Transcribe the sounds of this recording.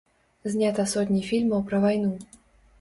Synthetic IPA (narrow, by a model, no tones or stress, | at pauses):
zʲnʲat̪ɐsɔt̪̬ʲnʲifʲilʲmɐwpɾɐvajnu